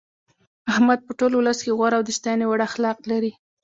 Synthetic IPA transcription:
ahmad̪̚pəʈolwʊləskeɣwaɾawd̪əʃt̪ɑjnewaɽaxlɑq̚laɾi

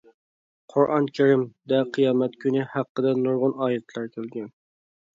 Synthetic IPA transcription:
qʰʊɾʔɑ̰nkʲʰɪɾɪmd̪ɛqʰɨjɑːmɛt̪kʲʰynɪhæqːəd̪ɛnuɾʁʊnɑːjɛt̪ʰlˠɑɾkʲʰelɡʲɛn

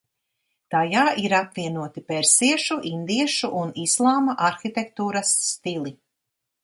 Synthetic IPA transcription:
t̪ajaːʔiɾapviɛnuɔt̪ipɛɾsiɛʃuʔind̪iɛʃuʔunislˠaːmaʔaɾxit̪ɛk̚t̪uːɾɐsːt̪ilˠi

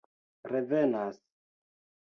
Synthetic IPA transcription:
ɾevenas

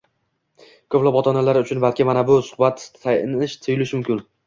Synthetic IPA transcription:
kʰɵplˠɒpɒt̪ʰɒnalaɾʊt͡ʃʰʊnbalkʲɪmanabʊsʊ̥hbat̪ʰːajnɪʃt̪ʰɨjʊlɪʃmʊmkʲɪn

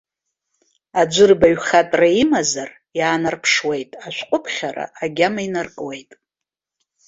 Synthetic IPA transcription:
ad͡ʒʷɨrbaɥχatʼraimazar | jaːnarpʰʂwe̞jtʼaʃʷqʷʼʊpʰχʲaɾa̰ːɡʲamainarkʼwejtʼ

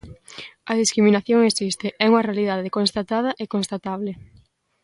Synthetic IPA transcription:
ɐðiskɾiminaθjoŋesist̪ɪɛuŋɐrealiðaðekõnst̪at̪að̞ɐʔekonst̪at̪aβlɪ

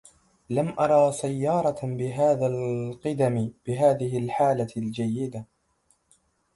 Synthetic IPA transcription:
lamʔɑɾˤɑːsajːɑːɾˤɑbɪɦaːðaːlqɪd̪amb̥ɪɦaːðɪɦɪlħaːlald͡ʒajːɪd̪a

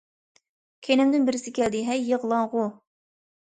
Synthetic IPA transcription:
kʲʰenɪmd̪ɪnbɪɾɪsɪkʲɛld̪ɪɦɛjːəʁlˠɑŋʁʊ

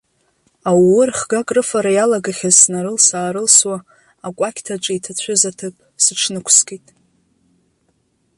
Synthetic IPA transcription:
awwʊrχɡakʼrɨfaɾajalaɡaχʲazsnaɾɨlsaːɾɨlswaː | kʷʼakʲʰtʰaʈ͡ʂʼɪitʰat͡ɕʷʰʊzatʰɨpʼsɨʈ͡ʂʰnɨkʷʰskʼitʼ

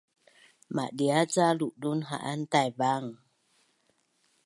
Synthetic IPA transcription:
ma̰ʔɗiat͡saluʔɗunɦa̰ʔantajbaŋ

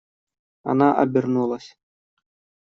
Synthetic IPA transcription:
a̰naʔɐ̰bʲirnulˠɐsʲ

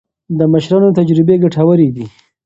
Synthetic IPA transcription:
d̪əməʃɾɑnot̪ad͡ʒɾɪbeɡaʈʰawəɾid̪i

